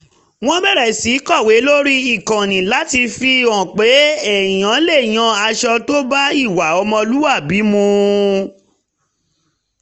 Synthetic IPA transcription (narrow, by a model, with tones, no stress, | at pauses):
w̃ɔ̃˦bɛ˦˨ɾɛ˨si˨˦kɔ˦˨we˨˦lo˦ɾi˦i˨kã˨nĩ˨la˨˦ti˧fi˧ɔ̃˨k͡pe˨˦ɛ˨j̃ã˨˦le˦˨j̃ã˧a˧ʃɔ˧to˦ba˦i˦˨wa˨˦ɔ˧mɔ̃˧lu˦wa˦˨bi˨˦mũ˧